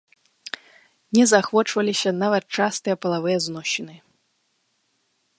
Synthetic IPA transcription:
nʲɛzaxvɔt͡ʂvɐlʲisʲɐnavɐt̪̚t͡ʂast̪ɨjɛpɐlˠavɨjɛznɔɕːinɨ

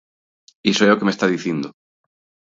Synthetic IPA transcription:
isojokemest̪aðiθjend̪o

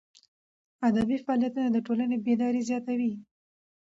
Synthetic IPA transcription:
ad̪abifaɑlijat̪unad̪əʈolanebed̪ɑɾezjɑt̪awi

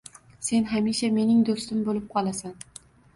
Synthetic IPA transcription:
se̞nɦamiʃame̞nɪŋd̪ost̪ɪmbolɪp̚qʰɒlˠasan

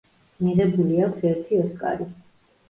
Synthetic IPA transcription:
miʁɛbuliakʰsɛɾt̪ʰiɔskʼa̰ɾi

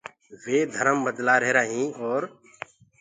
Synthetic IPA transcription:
ʋeːd̪ʱəɾəmbəd̪laːɾeːɾaːɦĩːɔːɾ

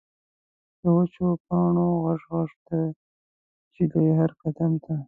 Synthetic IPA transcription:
d̪̥əwat͡ʃopɑɳoɣaʂɣaʂt̪a | t͡ʃidajɦaɾkad̪amt̪a

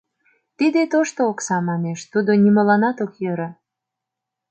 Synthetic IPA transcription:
t̪id̪et̪oʃt̪oːksɑmɑneʃt̪ud̪onʲiməlɑnɑt̪okjøɾɑ

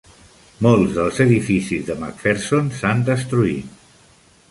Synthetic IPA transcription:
molˠzðəlˠzəðifisizðəma̰kfeɾsonsand̪əst̪ɾuit̪̚

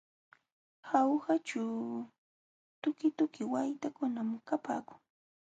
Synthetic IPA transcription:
xawhat͡ʃʊ | t̪ʊkɪt̪ʊkɪwajt̪akʊnamkapa̰ːkʊ̥ŋ

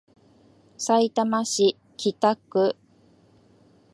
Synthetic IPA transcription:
sait̪amaɕi | kʲit̪akːɯ

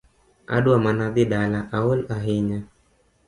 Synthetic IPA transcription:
ʔa̰ɗuamanad̪iɗalaʔawalaɦiɲa

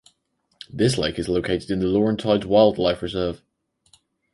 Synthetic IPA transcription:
ðɪsleɪkɪzloʊkʰeɪtɪdɪ̃nðəlɔːɹə̃ntʰaɪzwaɪlˠdˡlaɪfɹɪzɜːv̥

